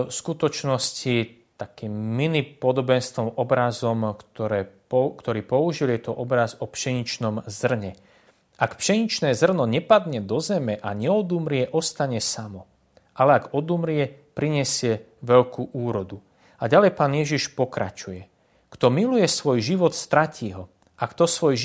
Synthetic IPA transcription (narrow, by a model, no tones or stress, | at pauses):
skut̪ɔt͡ʃnɔscit̪akiːmːinipɔd̪ɔbɛnst̪ʋɔmɔbɾazɔmt̪ɔɾɛː | kt̪ɔɾiːpɔuʒiljɛt̪ɔʔɔbɾazɔpʃɛɲit͡ʃnɔmzr̩ɲɛ | ʔakpʃɛɲit͡ʃnɛːzr̩nɔɲɛpad̪ɲɛd̪ɔzɛmɛʔaɲɛɔd̪umɾɪɛʔɔst̪aɲɛsamɔ | ʔalɛaɡɔd̪umɾɪɛpɾiɲɛsɪɛ | ʋɛʎkʰuːʔuːɾɔd̪u | aɟalɛjpaːnjɛʒiʃpɔkɾʔa̰t͡ʃujɛ | kt̪ɔmilujɛsʋɔjʒiʋɔt̪st̪ɾacʰiːɦɔ | ʔakt̪ɔsʋɔj